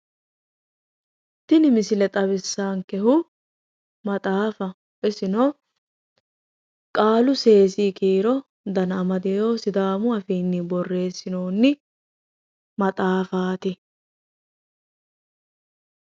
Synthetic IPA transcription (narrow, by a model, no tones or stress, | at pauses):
t̪ɪnɪmɪsɪlɛt̪ʼɐbɪsːaːŋkɛɦʊ | mɐt̪ʼaːfɐ | ʔɪsɪno | kʼaːlʊse̞ːsiːkiːɾɔ | d̪ɐnɐmɐd̪ɪjo̞ːsɪd̪aːmʊɐfiːnːɪbɔrːe̞ːsːɪnoːnːɪ | mɐt̪ʼaːfaːt̪ɪ